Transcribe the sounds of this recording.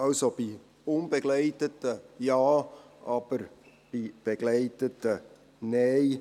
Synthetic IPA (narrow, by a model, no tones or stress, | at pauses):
ɑlsob̥i | ʊnbeɡlɛɪtətəjɑːʔɑb̥əɾ | b̥ib̥eɡ̥lɛɪtətə | nɛɪ